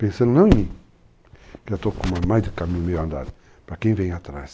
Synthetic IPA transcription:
pẽsɐ̃nd̪nɐ̃w̃ɲĩ | kat̪okũmamajzd̪ɪkamĩɲumejãnd̪a̰d̪ɪ | pɾakẽj̃vẽj̃at̪ɾa̰s

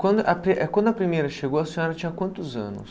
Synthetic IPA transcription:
kɐ̃d̪ɐpɾiɛkwɐ̃nd̪ʊɐpɾimejɾɐʃeɡowɐsĩɲɔɾɐt͡ʃĩɲɐkwɐ̃nt̪ʊzɐ̰̃nʊ̰s

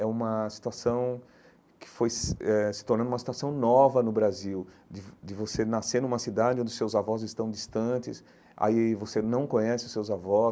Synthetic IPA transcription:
ɛũmɐsi̥t̪uasɐ̃w̃ | kɪ̥fojsɛsɪ̥t̪oɾnɐ̃d̪ʊumɐsi̥t̪uasɐ̃w̃nɔvɐnʊbɾaziw | d͡ʒɪd͡ʒɪvosenaseɾnũmɐsid̪ad͡ʒɪõd͡ʒɪʊsewzavɔzɪst̪ɐ̃w̃d͡ʒist̪ɐ̃t͡ʃɪs | a̰ivosenɐ̃w̃kõɲɛsɪʊsewzavɔ

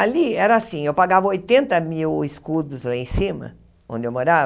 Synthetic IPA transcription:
aliɛɾɐasĩewpaɡavɐojt̪ẽnt̪ɐmiwɪskud̪ʊzẽj̃sĩmɐ̰ | õnd͡ʒ̪ɪewmoɾav

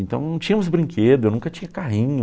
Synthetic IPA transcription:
ẽnt̪ɐ̃w̃nɐ̃w̃t͡ʃĩɲɐmʊzbɾĩŋkʰed̪ʊewnũkɐt͡ʃĩɲɐkaɦĩɲʊ

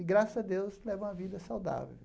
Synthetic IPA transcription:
ɪɡɾasɐɐd̪ewslɛvɐ̃w̃ɐvid̪ɐsawd̪a̰vḛw

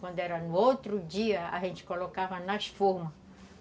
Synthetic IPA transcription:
kwɐ̃nd̪ʊɛɾɐnʊowt̪ɾʊd͡ʒiɐa̰ʒẽnt͡ʃɪ̥kolokavɐnɐsfoɾmɐ

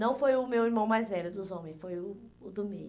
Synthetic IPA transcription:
nɐ̃w̃fojʊmewiɾmɐ̃w̃majzvɛʎʊd̪ʊzõmẽj̃sfojʊː | d̪ʊmḭ̃

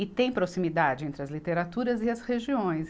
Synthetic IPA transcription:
ɪt̪ẽj̃pɾosimid̪ad͡ʒɪẽnt̪ɾɪɐzlit̪eɾat̪uɾɐzɪɐsheʒiõj̃s

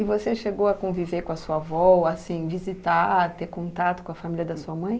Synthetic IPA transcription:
ɪvoseʃeɡowɐkõviveɾkõɐsuɐavɔasĩvizit̪at̪eɾkõnt̪at̪ʊkõɐfamiljɐd̪ɐsuɐmɐ̃j̃

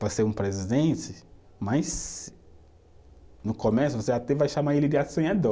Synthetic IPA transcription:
paseɾũpɾezid̪ẽnt͡ʃɪ | majs | nʊkomesʊvoseat̪ɛvajʃamaelɪd̪ɪasõɲad̪o

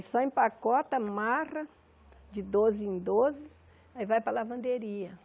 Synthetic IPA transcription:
sɔẽpakɔt̪ɐmarɐ | d͡ʒɪd̪ozɪẽd̪ozɪ | aivajpɾɐlavɐ̃nd̪eɾiɐ

